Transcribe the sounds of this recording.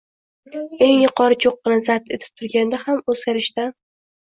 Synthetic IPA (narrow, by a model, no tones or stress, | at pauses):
e̞ŋjʊqʰɒɾɪt͡ʃʰoqːɨnazat̪ʰe̞t̪ʰɪ̥p̚t̪ʰʊɾɡʲand̪ahamɵzɡʲaɾɪʃt̪a